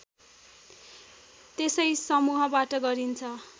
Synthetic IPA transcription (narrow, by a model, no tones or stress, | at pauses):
t̪esʌjsʌmuɦʌbaʈʌɡʌɾint͡sʰʌ